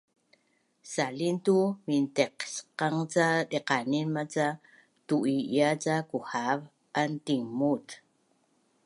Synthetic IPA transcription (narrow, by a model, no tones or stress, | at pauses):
salintuminteqsqaŋt͡saɗeqaninmat͡sa | tuʔijat͡sakuhav | ʔantiŋmut